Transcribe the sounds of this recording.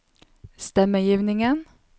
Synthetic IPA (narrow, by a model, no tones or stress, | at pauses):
st̪ɛməjiːʋnɪŋən